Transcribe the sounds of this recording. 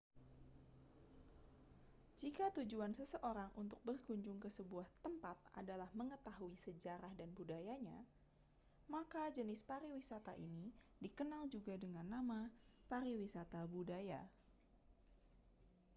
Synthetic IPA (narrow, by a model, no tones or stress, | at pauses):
d͡ʒikat̪ud͡ʒuansəsəʔoɾaŋʔunt̪ʊk̚bərɡuɲd͡ʒʊŋkəsəbuaht̪əmpat̪̚a̰dalahməŋət̪aɦuisəd͡ʒaɾahdanbudajaɲa | makad͡ʒənɪspaɾiwisat̪aʔḭni | dikənald͡ʒuɡadəŋanːamapaɾiwisat̪abudaja